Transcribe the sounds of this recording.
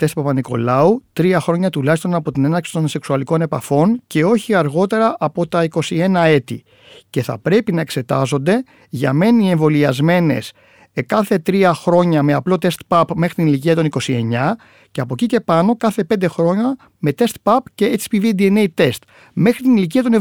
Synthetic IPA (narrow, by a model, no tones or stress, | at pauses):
t̪e̞st̪pɐpɐniko̞̰lɐut̪ɾiɐxɾo̞ɲɐt̪ulɐçist̪o̞nɐpo̞t̪ine̞nɐɾksi̥t̪o̞nse̞ksuɐliko̞ne̞pɐfo̞nce̞o̞çiɐɾɣo̞t̪e̞ɾɐʔɐpo̞t̪ɐiko̞sie̞nɐe̞t̪ḭ | ce̞θɐ̰pɾe̞pinɐe̞kse̞t̪ɐzo̞nd̪e̞ | ʝɐme̞nie̞ɱvo̞liɐzme̞ne̞̰s | kɐθe̞t̪ɾiɐxɾo̞ɲɐme̞ɐplo̞t̪e̞st̪pɐpme̞xɾit̪inilic̬iɐt̪o̞niko̞sie̞ɲɐ | ce̞ɐpo̞cice̞pɐno̞kɐθe̞pe̞nd̪e̞xɾo̞ɲɐ | me̞t̪e̞st̪̚pɐpce̞et͡si̥pivid̪ie̞neit̪e̞st̪ | me̞xɾit̪inilic̬iɐt̪o̞ne